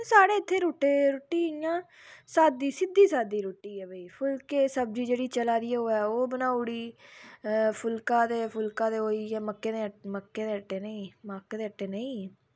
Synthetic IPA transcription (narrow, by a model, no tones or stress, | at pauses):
saːɽeːɪt̪ʰːeːɾoːʈeːɾoːʈːiːɪjãː | saːd̪iːsɪd̪iːsaːd̪iːɾoːʈːiːɛːbəiːpʰʊlkeːsəb̚d͡ʒiːd͡ʒeːɽiːt͡ʃəlaːd̪iɛːoːɛːoːbənaːʊɽiː | pʰʊlkãːd̪eːpʰʊlkãːd̪eːoːiːaːməkːeːd̪eːməkːeːd̪eːəʈːeːnəĩːmaːkeːd̪eːəʈːeːnəĩː